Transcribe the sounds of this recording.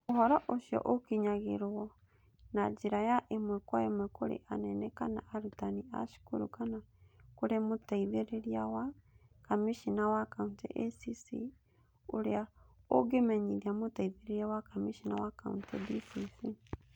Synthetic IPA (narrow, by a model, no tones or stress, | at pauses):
oɦɔɾɔʔoʃjɔ̰ʔokiɲaɣeɾwɔ | nad͡ʒeɾajaʔemwɛkwaemwɛkoɾḛʔanɛnɛkana̰ʔaɾutania̰ʃu̥koɾukanakoɾemotaiðeɾeɾiawakamiʃinawakauntɛ̰ʔɛsisḭ | oɾeaoɡemɛɲiðiamotaiðeɾeɾiawakamiʃinawaka̰ṵntɛdisisi